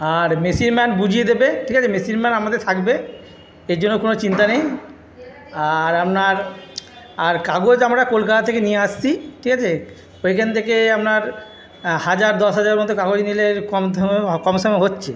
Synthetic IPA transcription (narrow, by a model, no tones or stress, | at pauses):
aɾmesiɾmɛnbud͡ʑʱijed̪ebeʈʰikat͡ɕʰemesiɾmɛnamad̪eɾt̪ʰakbe | eɾd͡ʑonːokonot͡ɕint̪anej | aɾamnaɾ | aɾkaɡod͡ʑamɾakolkat̪at̪ʰekenijeaʃt͡ɕʰiʈʰikat͡ɕʰe | ojkʰant̪ʰekeamnaɾ | had͡ʑaɾd̪ɔʃɦad͡ʑaɾeɾmɔd̪ʱːokaɡod͡ʑnileɾkɔmkɔmʃɔmeɦotːɕʰe